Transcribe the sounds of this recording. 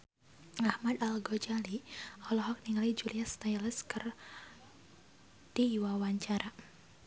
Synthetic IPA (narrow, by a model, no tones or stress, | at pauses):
ahmad̪alɡɔd͡ʒaliɔlɔɦɔk̚niŋalid͡ʒuliast̪ajləskər | d̥iwawaɲt͡ʃaɾa